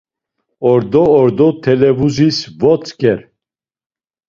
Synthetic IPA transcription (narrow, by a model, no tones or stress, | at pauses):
ɔɾd̪ɔːɾd̪ɔt̪ʰɛlɛvuzisvɔt͡sʼkʰʼɛɾ